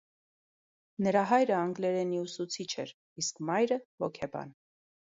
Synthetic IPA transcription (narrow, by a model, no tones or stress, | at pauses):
nəɾɑɦɑjɾəɑŋɡlɛɾɛniusut͡sʰit͡ʃʰɛ̰ɾ | iskmɑjɾəvɔkʰɛbɑ̰n